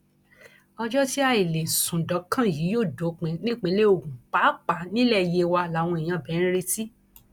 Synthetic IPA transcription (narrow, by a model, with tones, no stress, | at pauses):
ɔ˧d͡ʒɔ˦ti˦a˧˨i˨le˨sũ˨dɔ˨˦kʰã˦˨ji˨˦joː˦˨do˨˦k͡pẽ˧nĩ˦k͡pẽ˧˦le˦o˧˨ɡũ˨k͡pa˨˦k͡pa˨˦nĩ˦lɛ˦˨je˧wa˧la˨˦˨w̃ɔ̃˧i˨j̃ã˧bɛ̃˨˦ĩ˦ɾe˧si˦